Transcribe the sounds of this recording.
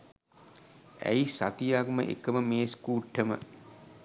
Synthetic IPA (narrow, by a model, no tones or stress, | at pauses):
æ̰jisat̪ijaɡmə̰ʔḛkəməmeːskuːʈʰːəmə̰